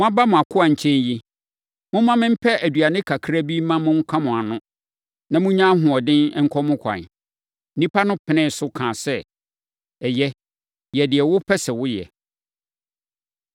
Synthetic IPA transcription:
mʊ̃˦a˦ba˦mʊ̃˨a˨kʰʊ˦a˨ɲ̩˨t͡ɕʰɛ̃˦ɲji˦ | mʊ̃˦mã˦mɪ̃˦m̩˦pʰɛ˦ʔæ˨dɥa˨nɪ̃˦kʰa˨kʰɾa˦bi˦mã˦mʊ̃˦ŋ̩˦kʰã˦mʊ̃˨a˨nʊ̃˦ | nã˨mʊ̃˦ɲã˦ɦʊ̃˨ɔ˨dɪ̃˦nɛ˦ŋ̩˦kʰɔ˦mʊ̃˦kʷʰã̰˨n̩˨˦ | nĩ˦pʰa˦nʊ̃˦pʰɪ˨nɪ̃˦˨sʊ˦kʰãː˨sɛ˦ | ɛ˨jɛ˦ | jɛ˨dɪ˨ɛ˨wʊ˦pʰɛ˦sɛ˨wʊ˦jɛ̰˨

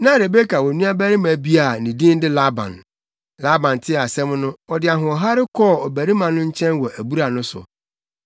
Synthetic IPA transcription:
nã˦˨ɾe˨be˦kʰa˨wɔ˨nũ˦a˦bæ˦ɾɪ˦mã˨bi˦a˨nĩ˨dĩ˦n˦dɪ˦la˦bã̰˨n | la˦bã˨n˨tʰɪ˦˨a˨sɛ̃˦m˦nʊ̃˦ɔ˨dɪ˨a˨ɦʊ̃˨ɔ˨ɦa˦ɾɪ˦kʰɔː˦˨ɔ˨bæ˨ɾi˦mã˨nʊ̃˦ɲ̩˦t͡ɕʰɛ̃˦nwɔ˨ʔæ˨bu˦ɾa˨nʊ̃˦sʊ̰˨

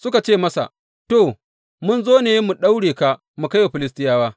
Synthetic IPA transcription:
sʊ˦ka˨t͡ʃeː˦˨mɐ˦sa̰˨ | to˨ | mʊ˦nzoː˦neː˨je˦mu˨ɗa˦wɽeː˨ka˨ʔ | mu˨ka˦wa˨ɸɪ˨lɪ˦s̬tɪ˦jaː˦waː˦

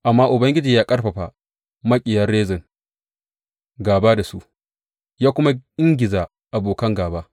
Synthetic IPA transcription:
ʔa˨mːaː˦ʔʊ˨bɐ˦ŋɡʲɪ˦d͡ʒiː˨jaː˦kʼɐ˦rɸɐ˨ɸa˨ | mɐ˦kʲʼɪ˨jɐ˦rːeː˦zɪ˨ŋ | ɡaː˨baː˦da˨su˦ʔ | jaː˦kʷʊ˦ma˦ʔɪ˦ŋɡʲɪ˨zaː˨ | ʔa˨boː˨kɐ˦ŋɡaː˨baː˦

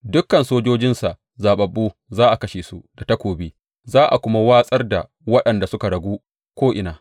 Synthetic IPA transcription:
dʊ˦kːɐ˨nsoː˦d͡ʒoː˦d͡ʒɪ˦nsa˨ʔ | zaː˨ɓɐ˨bːuː˦zaː˦ʔa˨kɐ˦ʃeː˨su˦d̥a˨ta˦kʷoː˨biː˦ | zaː˦ʔa̰˨kʷʊ˦ma˦waː˦sʼɐ˦rda̰˨ | wɐ˦ɗɐ˨nda˨sʊ˦ka˨ɽɐ˨ɡʷuː˦ | kʷoː˦ʔɪ̰˨naː˨

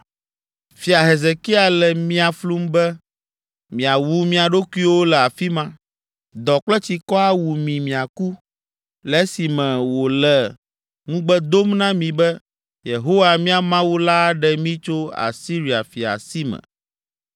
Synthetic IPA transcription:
fi˨a˨ɦe˨ze˨ki˦a˨lɛ˨mĩ˦a˨flu˦mbɛ˦ | mĩ˨a˨wu˦mĩ˦a˨ɖo˦ku˦i˦wo˦lɛ˨a˨fi˦mã˦ | d̪ɔ˨k͡plɛ˦t͡ɕi˨kɔ˦a˦wu˨mĩ˨mĩ˨a˨ku˦ | lɛ˦si˨mɛ̃˨wo˨lɛ˨ | ŋũ˦ɡ͡bɛ˦d̪o˦mnã˦mĩ˨bɛ˦ | je˨ɦo˦wa˨mĩ˦a˨mã˦wu˦la˦ɖɛ˨mĩ˦t͡ʃo˦a̰˨si˦ɾi˨a̰˨fi˨a̰˨si˦mɛ̰̃˨

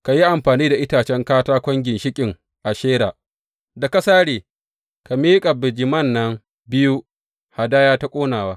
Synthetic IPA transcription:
ka˨ji˦ʔa˨mɸaː˨niː˦da˨ʔɪ˦taː˨t͡ʃɛ˦ŋkaː˦taː˦kʷɔ˦ŋɡʲɪ˨nʃɪ˦kʲʼɪ˨ŋ | ʔa˨ʃeː˦ɾaː˨ | da˨ka˦saː˦ɽeː˨ | ka˨miː˦kʼa˨bɪ˨d͡ʒɪ˨mɐ˦˨nːɐ˦ŋ | bɪ˦ju˦ | ha˨daː˦jaː˦ta˦kʷʼoː˦naː˨waː˦

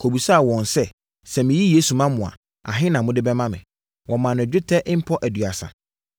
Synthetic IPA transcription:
kʰo˨bu˨sa˦a˨wɔ̃˨nsɛ˦ | sɛ˨mɪ̃˨ji˦je˦su˨mã˦mʊ̃˨a̰˨ | a̰˨ɦɪ̃˦nã˨mʊ̃˦dɪ˦bɛ˦mã˦mɪ̰̃˨ | wɔ̃˨mã˨nʊ̃˨d͡ʑᶣɪ˦tʰɛ˦ʔɪ̃˦m̩˦pʰɔ˦ʔæ˨dɥa˨sã̰˨

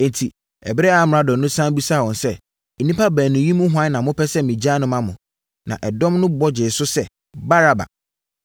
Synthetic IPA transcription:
ɛ̃˨ntʰi˨ | ɛ˨bɪ˦ɾɛ˦a˨˦m˨ɾa˨˦dɔ̃˨nʊ̃˦sã˦bi˦sa˦˨wɔ̃˨nsɛ˦˨ | nĩ˦pa˦bæː˨nʊ̃˨ji˦mũ˦ɦʷʊ˦ã˦nnã˨mʊ̃˦pʰɛ˦sɛ˦˨mĩ˨d͡ʑa˦nʊ̃˦mã˦mʊ̃˨ | nã̰˨ʔɛ˨dɔ̃˦mnʊ̃˦bɔ˦d͡ʑɪ˨sʊ˦sɛ˦˨ | ba˦ɾa˨ba̰˨

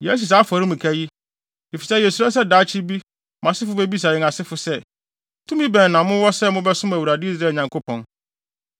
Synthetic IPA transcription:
jɛ˦s̬u˨sa˦fɔ˨ɾɪ˦mũ˨kʰæ˦ji˦ | di˨fi˨sɛ˦jɛ˨su˨ɾa˦s̬ɛ˦daː˨˦t͡ɕʰi˦bi˦ | mã˨sɪ˦fʊ˦bɛ˦bi˦s̬a˨ɾɪ˦ŋ˨a˨sɪ˦fʊ˦sɛ˦˨˦ | tʰũ˦mĩ˦bɛ̃˨n˨nã˨mʊ̃˦wɔ˦sɛ˦mʊ̃˦bɛ˦sʊ̃˦m˦æ˨wu˨ɾa˨dɪ˦i˦s̬ɾaː˦˨ɲã˨ŋkʰo˦pʰɔ̃˨n

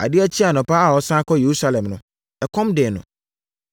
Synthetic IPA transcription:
a̰˨dɪ˦æ˦t͡ɕʰi˦a˨nʊ̃˨pa˦a˨wɔ˦sã˦kʰɔ˦je˨ɾu˦sa˦lɛ̃˨mnʊ̃˨˦ | ɛ˨kʰɔ̃˦mdɪ˨nʊ̰̃˨

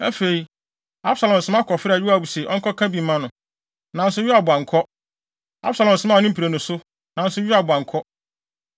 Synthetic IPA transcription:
ɛ˦fe˨i˨ | a˦b̥sa˨lɔ̃˨m̩˨sɪ̃˦mã˦kʰɔ˨fɾa˨ɥɪ˦a˦˨bu˨sɛ˨ʔɔ̰̃˦ŋkɔ˦kʰa˦bi˨mã˦nʊ̃˨ | nã˨n̩˦sʊ˦jɪ˦a˨bʊ˨a˨ŋ˨kʰɔ˦ | a̰˦bsa˨lɔ̃˨n˨sɪ˦ma˦˨nʊ̃˦pʰɾe˨nʊ̃˨sʊ˦ | nã˨n̩˦sʊ˦ɥᶣɪ˦a˨bʊ˨a˨ŋ˨kʰɔ˦

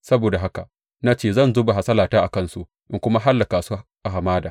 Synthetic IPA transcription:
sɐ˦boː˨da˨ɦa˦ka̰˨ | na˦t͡ʃeː˦˨zɐ˦˨nzʊː˦ba˨ɦa˨sɐ˦laː˨taː˦ʔa˨kɐ˦˨nsu˦ | ʔɪ˦ŋkʷʊ˦ma˦ɦa˦lːa˨kaː˨su˦ʔa˨ɦa˨maː˦daː˨

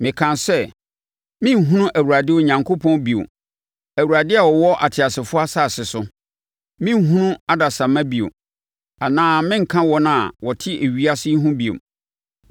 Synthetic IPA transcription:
mɪ̃˨kʰã˨nsɛ˦ | mɪ̃˦m̩˨ɦũ˦nʊ̃˦ʔæ˨wu˨ɾa˨dɪ˦o˦ɲã˨ŋkʰo˦pʰɔ̃˦n˦bi˨o̰˨ | æ˨wu˨ɾa˨dɪ˦a˨wɔ˨wɔ˦ʔa̰˨tʰɪ˨a˨sɪ˨fʊ˦a˦saː˦˨sɪ˨sʊ˦ | mɪ̃˦m̩˦ɦũ˦nʊ̃˦a˦da˨sã˨mã˦bi˨o̰˨ | a˨nãː˦mɪ̃˦ŋ̩˨kʰã˦wɔ˦nã˨wɔ˨tʰɪ˦ʔe˨ɥi˦a˦sɪ˦ɦũ˦bi˨o̰˨

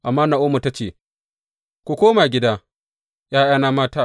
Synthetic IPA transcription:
ʔa˨mːaː˦na˨ʔʊ˦mu˨ta˦t͡ʃeː˦˨ | kʷu˨kʷoː˦ma˨ɡʲɪ˦daː˦ | jaː˦jaː˦naː˦maː˦taː˦˨

